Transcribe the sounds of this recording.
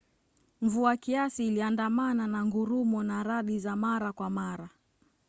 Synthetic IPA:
m̩vuakiasiːliandamananaŋɡuɾumɔnaɾaɗizamaɾakwamaɾa

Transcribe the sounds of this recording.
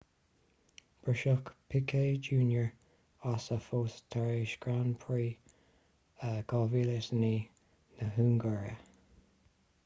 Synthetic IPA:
b̥ɹəʃʊkpʰɪkʰeːd͡ʒuːnjəɹ | asəfoːst̪ʰaɹeːʃɡ̥ɹanpʰɹiː | əɡ̥ɑviləsniː | nəɦuːŋɡəɹə̰

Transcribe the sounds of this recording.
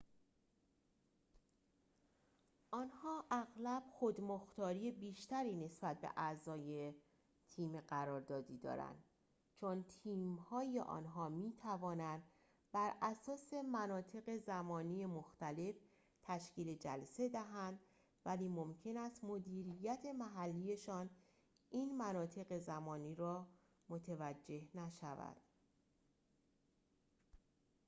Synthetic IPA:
ʔɒnhɒːʔæɣlæb̥xod̪moxt̪ɒːɾijebiːʃt̪æɾiːne̞sbæt̪̚bḛʔæzɒːje̞ | t̪ʰiːmeɢæɾɒːɾd̪ɒːd̪iːd̪ɒ̰ːɾæ̰nd̪ | t͡ʃʰont̪ʰiːmhɒːjeʔɒ̰ːnɦɒːmiːt̪ʰævɒːnænd̪̥ | bæɾæsɒːse̞mænɒːt̪ʰe̞ɣe̞zæmɒːnijemoxt̪æle̞f | t̪ʰæʃciːle̞d͡ʒælse̞d̪æɦænd̪ | væliːmo̞mcʰe̞næst̪mo̞d̪iːɾijæt̪ʰe̞mæɦælːije̞ʃɒːn | ʔiːnmænɒːt̪ʰe̞ɣe̞zæmɒːniːɾɒː | mo̞t̪ʰevæd͡ʒːe̞hnæʃævæ̰d̪̥

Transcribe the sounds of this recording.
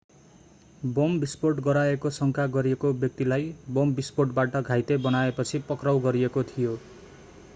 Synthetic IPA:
bombisporʈɡʌɾaekosʌŋkʰaɡʌɾiekobjʌk̚t̪ilajbombisporʈbaʈʌɡʱajt̪ebʌnaepʌt͡sʰipʌkrawɡʌɾiekot̪ʰijo

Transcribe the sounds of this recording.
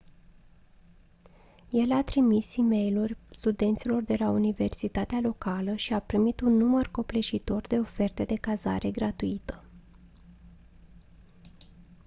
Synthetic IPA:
je̞lat̪ɾimisime̞jlurʲst̪ud̪e̞nt̪silo̞rd̪e̞launive̞rsit̪at̪ealo̞kaləʃiapɾimit̪unːumərko̞ple̞ʃit̪o̞rd̪e̞o̞fe̞rt̪e̞d̪e̞kaza̰ɾʔe̞ɡɾat̪uit̪ə̥

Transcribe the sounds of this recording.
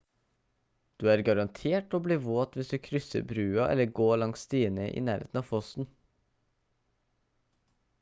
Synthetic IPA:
d̪̥ʉːæːɾɡɑɾɑnt̪ʰeːʈoːbliːʋoːt̪ʋɪsd̪ʉːkʰɾʏsə̰bɾʉːɑʔɛ̰ləɡoːɭɑŋsst̪iːənəʔḭːnæːɾḛːt̪n̩ɑːʋfɔst̪n̩

